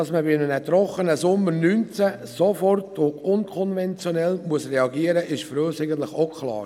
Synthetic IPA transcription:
ɑsməbɪɪnənɛtɾɔχənəsʊmːəɾnyːnt͡sæ | sofɔrtʰʊʊnkʰɔnvɛnt͡sjonɛlmuəsrɛɑɡiəɾəʔɪʃfɾøːsæɪɡən̩t̪lɪχokʰlɑ̰ːɾ

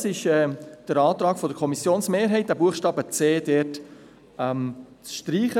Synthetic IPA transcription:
sɪʃɛːd̥əɾɑːt̪ɾɑːkfɔdəɾkʰɔmisjoːnsmeːɾɦɛɪt̚d̥æbuəχʃtɑːbət͡seːdɛt | ɛm | t͡sʃtɾiːχə

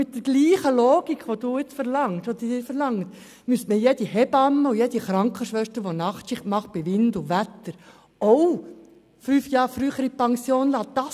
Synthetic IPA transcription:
mɪt̚dəɾɡ̥liːχəloːɡ̥ikʋod̥̪uːɪt͡sfəɾlɑŋtʋod̪id̥ɪːɾfəɾlɑŋt̪ | mystməjɛd̥̪ihɛbɑmːəujɛdiχɾɑŋkχəʃʋœʃtəɾʋonɑχtt͡ʃɪχtmɑχt̚b̥ɪʋɪndʊʋæt̪ːəɾ | ow | fyːfjɑːɾfɾyːχəɾipɑŋsjoːnlɑːd̪̥ɑs

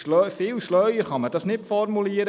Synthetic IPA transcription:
lfɪlʃlœɥəɾχɑməd̥ɑsnɪtfɔrmuliːəɾ

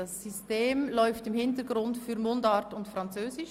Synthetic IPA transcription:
ɑsːisteːmlɔʏftɪmhɪntəɾɡɾʊntfyɾmondɑɾtʊntfɾɑnt͡søːzɪʃ

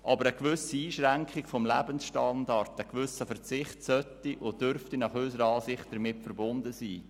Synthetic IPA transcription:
ʔɑbəɾəkʋʏsiiːʃʁæŋkχɪkfɔmlæbənsʃtɑndɑrtəkʋʏsəfəɾt͡sɪχtsœtːiʔʊd̥øɾftinɑχøsəɾəɑːsɪχtd̥əɾmɪtfəɾbʊndəsiː

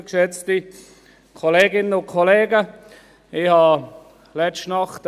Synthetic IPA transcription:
kʃɛt͡sti | kʰɔleːɡɪnənʊnkʰɔleːɡə | ɪhɑ | lɛt͡ʃtnɑχt

